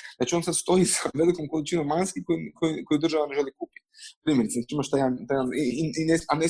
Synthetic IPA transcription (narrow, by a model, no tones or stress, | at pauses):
d̪at͡ʃio̞nsad̪st̪o̞jizaʋelikomkolit͡ʃinomːanskikojikʰojikojid̪r̩ʒaʋane̞ʒelikupi̥t̪pɾiːmjeɾit̪sent͡ʃiimaʃt̪ajant̪ajaniineane